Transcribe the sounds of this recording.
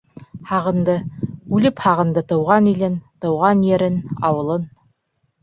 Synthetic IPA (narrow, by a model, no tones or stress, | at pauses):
hɑʁɤ̆nd̪ɤʉlɘphɑʁɤ̆nd̪ɤt̪ɤ̆wʁɑnilɘnt̪ɤ̆wʁɑnjɘɾɘnɑ̰wɤ̆lˠɤn